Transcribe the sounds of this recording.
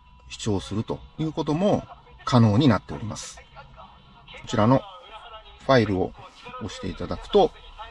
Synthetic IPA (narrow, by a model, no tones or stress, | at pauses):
ɕi̥t͡ɕo̞ːsɨɾɯ̟t̪o̞̰jɯ̟ːko̞t̪̬o̞mo̞ | kʰano̞ːɲ̟inat̪ːe̞o̞ɾʲimasɨ̥ | ko̞t͡ɕiɾano̞ | ɸaiɾɯ̟o̞̰oɕi̥t̪e̞it̪ad̪akɯ̟̥t̪o̞